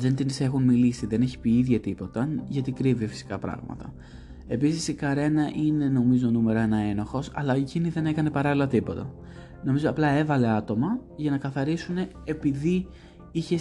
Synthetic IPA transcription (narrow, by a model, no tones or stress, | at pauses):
ðe̞nt̪inse̞xunmilisiðe̞ne̞çi̥piiðʝɐt̪ipo̞t̪ɐʝɐt̪ikɾivifi̥si̥kɐ̰pɾɐ̰ɣmɐ̰t̪ɐ̰ | e̞pisisikɐɾe̞nɐʔine̞no̞mizo̞nume̞ɾoe̞nɐe̞noxo̞sɐ̰lɐeciniðe̞ne̞kɐne̞pɐɾɐlilɐt̪ipo̞t̪ɐ | no̞mizoɐplɐe̞vɐle̞ɐt̪o̞mɐʝɐnɐkɐθɐɾisune̞ːpiði | içe̞